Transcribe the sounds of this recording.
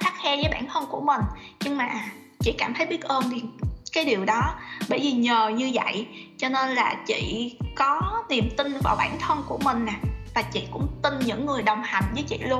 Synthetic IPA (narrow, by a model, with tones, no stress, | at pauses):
t̪ʰaː˦˥k̚hɛ˧zəː˨˦jɓaː˧˩nt̪ʰə˧nku˧˩əmï˨˩ŋ̟ɲɨ˧ŋmaː˨˩ | t͡ɕḭ˧˨kaː˧˩mt̪ʰə˨˦jɓi˦˥ət̚ʔəː˧nɗi˧kaː˨˦jɗi˨˩əwɗɔ˨˦ɓə̰˧˩jvi˨˩ɲəː˨˩ɲɨ˧və̰˧˨jt͡ɕɔ˧ne˧nlaː˨˩t͡ɕḭ˧˨kɔ˨˦ni˨˩əmt̪ï˧nvaː˨˩wɓaː˧˩nt̪ʰə˧nku˧˩əmï˨˩ŋ̟ːaː˨˩vaː˨˩t͡ɕḭ˧˨kʊ̰˧˥ŋ͡mt̪ï˧nɲɨ̰˧˥ŋːɨ˨˩əjɗə˨˩wŋ͡mha˨˩jŋ̟vəː˨˦jt͡ɕḭ˧˨lu˧ən